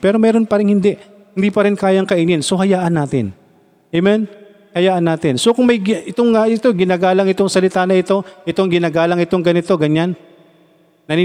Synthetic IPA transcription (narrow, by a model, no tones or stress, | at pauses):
pɛːɾo̞mɛːɾonpɐɾɪnhɪnd̪ɛʔ | hɪnd̪iːpɐɾɪnkaːjɐŋkɐʔinɪnsohɐjaːʔɐnːaːt̪ɪ̰n | ʔɛmɛn | hɐjaːʔɐnːaːt̪ɪnso̞kʊŋmɐjʔɪt̪oŋaɪt̪oɡɪnaːɡaːlɐŋɪt̪o̞ŋsɐlɪt̪aːnɐʔɪt̪o̞ʔɪt̪oŋɡɪnaːɡaːlɐŋɪt̪o̞ŋɡɐnɪt̪o̞ɡɐɲan | ɐni